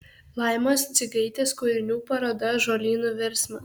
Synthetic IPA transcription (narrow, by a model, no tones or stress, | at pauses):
lˠɐɪmoːst̪sʲɪɡɐɪt̪ʲeːskʊɾʲɪnʲuːpɐɾoːd̪ɐʒoːlʲiːnuʋʲɛɾʲsmɐ